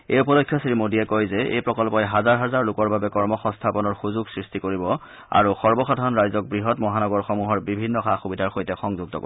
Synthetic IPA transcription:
ejupɔlokʰːjɔsiɹimodiɛkojzɛḛjpɹɔkɔlpɔjɦazaɹɦazaɹlʊkɔɹbabɛkɔɹmɔxɔ̃nstʰapɔnɔɹxuzuɡsɹistikoɹibɔ | a̰ɹuxɔɹbɔxɔdʱanɹajzɔk̚bɹiɦɔtmɔɦanɔɡɔɹxɔmuɦɔɹbibʱinːɔxaxubidʱaɹxojtɛxɔŋzuɡ̚tɔ̰ko̰

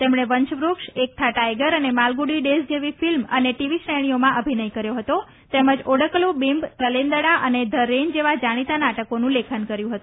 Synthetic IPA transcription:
t̪emɽ̃eʋəɲt͡ʃʋɾukʃek̚t̪ʰaʈajɡəɾənemalɡuɽiɖesd͡ʒeʋifilmə̰neʈiʋiʃɾəjɽ̃iomãʔəbʱinəjkəɾjoɦət̪o | t̪ɛməd͡ʒoɽəklubimbt̪əlẽnd̪əɽaʔəned̪ʱəɾːend͡ʒeʋad͡ʒaɽ̃it̪anaʈəkonũlekʰənkəɾjũɦət̪ũ

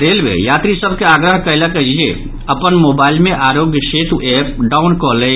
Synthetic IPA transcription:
d̪elbḛjat̪ɾisəbʱkeaɡɾəɦkəɪlakəild͡ʒḛ | əpənmobailmeʔaɾoɡjəset̪uep̚ɖaunkɔlɛ

